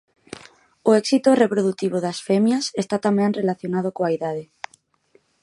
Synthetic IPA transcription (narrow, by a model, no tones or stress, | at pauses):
oɛksit̪orepɾoðut̪iβoðasfemjasest̪at̪amẽŋrelaθjonað̞okoaiðaðe